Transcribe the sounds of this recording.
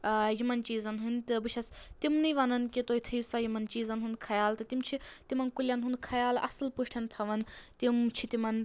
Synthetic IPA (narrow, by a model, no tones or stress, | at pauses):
jimɐnt͡ʃiːzɐnɦɨnt̪ɨbɨt͡ʃʰɐst̪imnɨjʋɐnɐnkit̪oːit̪ʰɐjusajimɐnt͡ʃiːzɐnɦund̪kʰɐjaːlt̪ɨt̪imt͡ʃʰit̪imɐnkulʲjɐnɦund̪kʰɐjaːlɐ̰sɨlpuʂʈʰʲɐnt̪ʰɐʋɐnt̪imt͡ʃʰit̪imɐn